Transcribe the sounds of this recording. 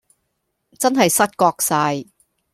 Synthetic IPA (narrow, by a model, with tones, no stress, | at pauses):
t͡sɐ˥nɦɐ˨jsɐ˥t̚kɔː˧k̚saː˧j